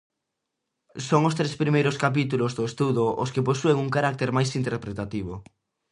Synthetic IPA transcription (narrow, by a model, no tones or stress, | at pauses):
soŋost̪ɾespɾimejɾoskap̬it̪ulozðoest̪uðoʔo̰skeposueŋuŋkaɾak̚t̪eɾmajsint̪eɾpɾet̪at̪iβ̞o